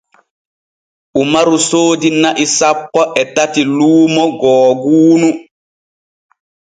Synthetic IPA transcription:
ʔumaɾusoːdinaʔisapːɔʔɛtatiluːmɔɡɔːɡuːnu

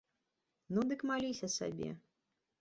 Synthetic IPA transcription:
nud̪ɨkmalʲisʲɐsa̰bʲɛ̰

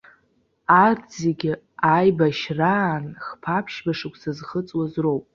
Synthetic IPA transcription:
ard͡zeɡʲɪ | ajbaʃranχpʰapʰʃbaʂɨkʷʰʼsazχət͡sʼwazrowpʼ

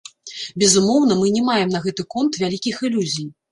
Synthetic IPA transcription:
bʲɛzumɔwnɐmɨnʲɛmajɛmnɐɣɛt̪ɨkɔnt̪vʲalʲikʲixɨlʲuzʲij

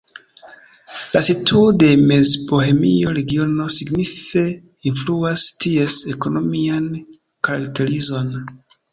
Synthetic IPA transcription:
lasitʰuode̞mezbo̞hemḭo̞ɾe̞ɡiono̞siɡnife̞ | influastie̞seko̞no̞mian | kaɾaktʰe̞ɾizo̞n

